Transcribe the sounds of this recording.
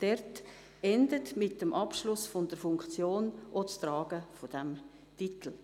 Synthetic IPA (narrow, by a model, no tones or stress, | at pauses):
d̥ɛrt | ɛndətmɪt̚dəmʔɑpʃlʊsfɔndəɾfʊŋkt͡sjoːnʔot͡strɑːɡ̥əfod̥ɛm | titl̩